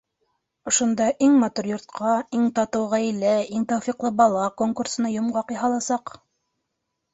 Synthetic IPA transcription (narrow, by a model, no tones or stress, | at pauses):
ŏʃŏnd̪ɑʔiŋmɑt̪uɾjŏɾt̪̚qʰɑiŋt̪ɑt̪ɤ̆wʁælæiŋt̪ɑwfiqlˠɤbɑlˠɑkoŋkursɤ̆nɑjŏmʁɑqjɑɦɑlˠɑsɑq